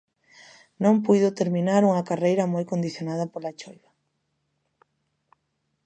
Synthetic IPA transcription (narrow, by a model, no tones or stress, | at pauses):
nõmpujðʊt̪eɾmĩnaɾuŋɐkarejɾɐmojkond̪iθjonað̞ɐpolat͡ʃojβa